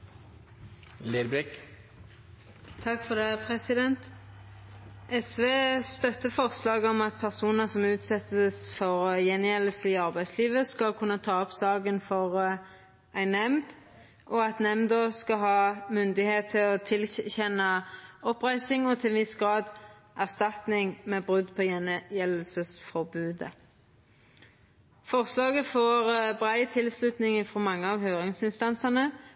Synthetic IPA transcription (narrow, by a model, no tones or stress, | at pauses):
leːɾbɾɛk | t̪ʰɑkfɔd̪eːpʰʁɛsɪd̪ɛnt̪ | ʔɛsʋeːst̪œt̪ːəfɔʁslɑːɡɔmɑt̪̚pʰæʁsuːnəʁsɔmʉːt̪sɛt̪əsfɔʁjɛnjɛləsɪɑʁbæɪsliːʋəskɑlkʰʉnːət̪ʰɑːɔpsɑːɡənfɔʁ | æɪnːɛmd̪ | ʔɔɑt̪nɛmnd̪ɔskɑhɑːmʉnd̪ɪheːt̪ʰːɪlɔt̪ʰɪlçɛnɑɔpʁæɪsɪŋɔt̪ʰɪlʋɪsɡʁɑːd̪ | ʔæʁst̪ɑt̪nɪŋmeːbʁʉd̪pʰɔjɛnjɛlːəlsəsfɔʁbʉːd̪ə̰ | fɔʁslɑːɡəfɔʁbʁæɪt̪ʰɪlslʉt̪nɪŋɪfɔmɑŋːəɑːʋhøːʁɪŋsɪnst̪ɑnsəʁnə